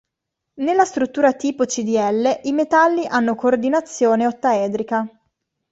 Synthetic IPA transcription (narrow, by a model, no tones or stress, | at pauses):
nelːast̪ɾut̪ːuːɾat̪iːpot͡ʃid̪iɛlːeʔimet̪alːiʔanːokoːrd̪inat̪sːjoːneot̪ːaɛːd̪ɾika